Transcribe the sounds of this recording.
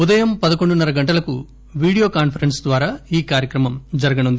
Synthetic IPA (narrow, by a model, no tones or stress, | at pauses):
ud̪ɐjɐmpɐd̪ɐko̞ɳɖunːɐɾɐɡɐɳʈɐlɐku | ʋiːɽijo̞ːkaːnpʰɐɾensd̪ʋaːɾaːiːkaːɾjɐkɾɐmɐmd͡ʒɐɾɐɡɐnund̪ii